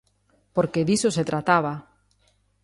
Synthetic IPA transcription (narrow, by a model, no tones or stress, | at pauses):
poɾkeðisoset̪ɾat̪aβa